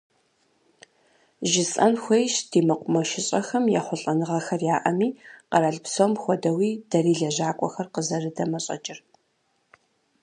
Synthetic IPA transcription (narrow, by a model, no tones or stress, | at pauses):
ʒɪt͡sʼɐnxʷejʃd̥iːmɐqʷʼʊmɐʃɪɕʼɐxɐmja̰ːχʷɔɬʼɐnɨʁɐxɐrjaːʔɐmiːqɐɾɐɮpsomxʷɔdɐwiːd̥ɐriːɮɐʑaːkʷʼɔ̰xɐrqəzɐrɨdɐmɐɕʼɐ̰t͡ʃʼɪr